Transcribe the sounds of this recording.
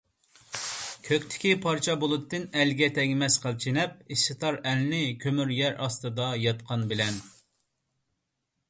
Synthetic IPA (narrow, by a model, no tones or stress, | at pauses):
kʲʰøkʲt̪ʰɪ̥kʲipʰɑɾt͡ʃʰɑbolˠɨt̪ːɨnɛlɡʲɛt̪ʰɛŋʲmɛsqʰəlˠt͡ʃʰinɛp̚iʃɨt̪ʰɑɾɛlɪnɪkʲʰømyɾjɛɾɑst̪ɨd̪ɑjɑt̪̚qʰɑnbɪlɛn